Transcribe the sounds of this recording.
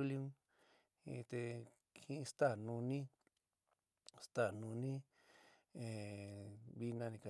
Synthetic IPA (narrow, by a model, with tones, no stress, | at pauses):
u˦ljũ˦ŋ | ḭ̃˧t̪e˧ | hĩ˦˧st̪a˦˨nũ˧nĩ˦ | st̪a˦˨nũ˧nĩ˦ | ẽ˨ | βi˧˦nã˧nĩ˧ka˨